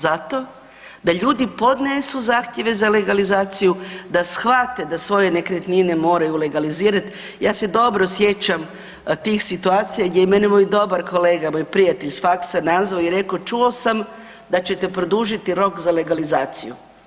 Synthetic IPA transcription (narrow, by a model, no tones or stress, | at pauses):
zat̪o̞ | d̪aʎuːd̪ipo̞d̪nesuzaːxt̪je̞ʋe̞zale̞ɡalizaːt̪sijud̪asxʋat̪e̞d̪asʋo̞je̞nekɾet̪nine̞mo̞ːɾajule̞ɡaliziːɾat̪ | jaːse̞d̪o̞bɾo̞sje̞t͡ʃam | t̪iːxsit̪uaːt̪sijaɡd̪jeime̞nimoːjd̪o̞baɾko̞leɡamojpɾijat̪eʎsfaksanazʋaoiɾe̞ko̞t͡ʃuo̞sam | d̪at͡ɕe̞t̪e̞pɾod̪uʒit̪iɾo̞kzale̞ɡalizaːt̪sijṵ